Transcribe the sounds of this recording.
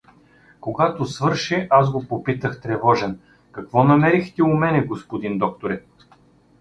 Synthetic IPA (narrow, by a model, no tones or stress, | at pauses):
koɡat̪osvɤɾʃɛʔasɡopopit̪əxt̪ɾɛvɔʒɛn | kɐkvɔnɐmɛɾixt̪ɛumɛnɛɡospod̪ind̪ɔk̚t̪oɾɛt̪